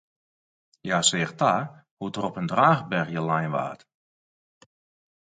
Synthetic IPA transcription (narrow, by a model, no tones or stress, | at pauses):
jasɪːχta | hutərɔpəndraːxbɛrxjəlajnʋa̰ːt